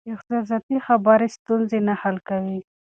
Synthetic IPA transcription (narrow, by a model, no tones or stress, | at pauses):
ɪxsɑs̬ɑt̪ixabaɾest̪unzenahalkawi